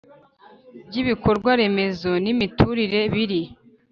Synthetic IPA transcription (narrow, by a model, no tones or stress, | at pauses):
bɟiβiko̞ɾɡwaɾe̞me̞zonimituɾiɾe̞βiɾi